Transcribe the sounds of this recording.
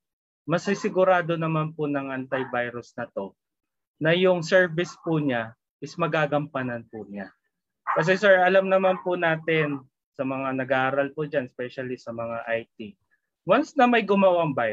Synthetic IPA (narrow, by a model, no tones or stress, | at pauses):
mɐsɪsɪɡʊɾaːd̪o̞nɐmanpʊnɐŋʔɐnt̪ɐjbajɾʊsnɐt̪o̞ | nɐjʊŋsɛɹvɪspʊɲa | ʔɪsmɐɡaːɡɐmpɐnɐnpʊɲa | kɐs̬ɛsɛɹʔɐlamnɐmanpʊnaːt̪ɪn | sɐmɐŋanɐɡaʔaːɾɐlpʊd͡ʒanspɛʃɐlisɐmɐŋaʔajt̪i | wansnɐmɐjɡʊmɐwaŋbaj